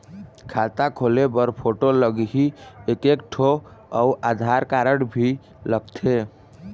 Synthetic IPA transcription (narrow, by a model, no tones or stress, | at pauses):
kʰat̪akʰolebəɾpʰoʈoləɡɦiekekʈʰoauʔad̪ʱaɾkaɾəɽbʱi | ləɡ̚t̪ʰe